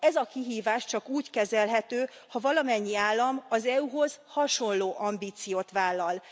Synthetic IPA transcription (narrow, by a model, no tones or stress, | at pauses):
ɛzɒkiɦiːvaːʃt͡ʃɒkuːckɛzɛlɦɛt̪øːhɒvɒlɒmɛɲːiaːlːɒmɒzɛuɦo̞z̥hɒʃo̞nloːʔɒmbiːt̪sijoːt̪ʋaːlːɒl